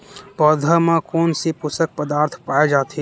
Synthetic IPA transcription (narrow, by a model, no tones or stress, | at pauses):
pɔːd̪ʱamãkoːnsepʊsək̚pəd̪aːɾt̪ʰpaːed͡ʒaːt̪e